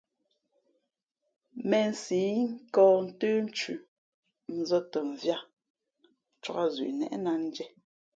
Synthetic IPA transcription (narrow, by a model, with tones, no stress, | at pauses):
mɛ˨n̩˨si˨˦ŋ̩˦kɔː˦˨n̩˦təː˦n˦t͡ʃʉ˨ | n̩˨zɔ˦tə˨ɱ̩˨vja˦˨ | t͡ʃwɔ˦ɣa˦zɥḭ˨nɛ̰˨ʔna˦n̩˦d͡ʒɛ˦